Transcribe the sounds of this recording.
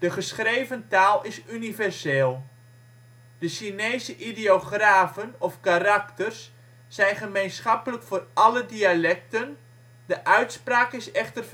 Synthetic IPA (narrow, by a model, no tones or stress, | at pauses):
d̥əχəsχrejvəntaːlˠɪsynivɛrseːlˠ | d̥əʃinejzəʔideoχraːvənɔfkaraktərsː | ɛjnχəmejnsχɑpələkfʊːrɑlədialɛk̚tən | dəʔœɥtspraːkɪsɛχtər